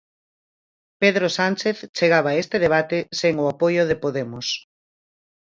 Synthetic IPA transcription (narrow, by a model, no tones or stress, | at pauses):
peðɾosant͡ʃeθt͡ʃeɣaβaest̪eðeβ̞at̪eseŋoapojʊðepoðemʊs